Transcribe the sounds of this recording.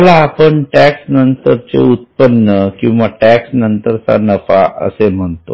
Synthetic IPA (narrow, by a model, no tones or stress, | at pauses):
laːpəɳʈæksnənt̪əɾt͡sḛut̪̚pənːəkĩw̃ʋaʈæksnənt̪əɾt̪a̰nəfa̰ʔə̰sem̤əɳt̪o